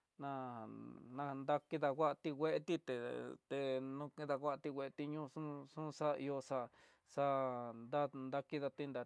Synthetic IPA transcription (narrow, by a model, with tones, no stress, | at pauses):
nã˧ | nã˧nd̪a˧ki˦ða˧kʷa˦ʔt̪i˧wʷe˦ʔe˦t̪i˦t̪ḛ˨t̪e˧nũ˦kĩ˦ða˧kʷa˦ʔa˧t̪i˧wʷe˧ʔe˧t̪i˧ɲũ˦˧ʂũ˦ʂũ˦˧sa˦˧i˧o˧sa˧ | sa˧ʔnd̪a˦nd̪a˧ki˦ða˧t̪i˧nd̪a˨˧